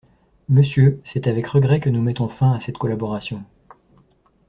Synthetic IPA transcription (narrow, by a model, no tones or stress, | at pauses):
məsjøsɛt̪avɛkʁəɡʁɛkənumɛt̪ɔ̃fɛ̃asɛt̪kɔlabɔʁasjɔ̃